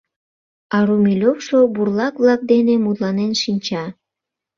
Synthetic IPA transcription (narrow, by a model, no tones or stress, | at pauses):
ɑɾumilʲofʃoburlɑkβlɑk̚d̪enemud̪lɑnenʃinʲt͡ɕɑ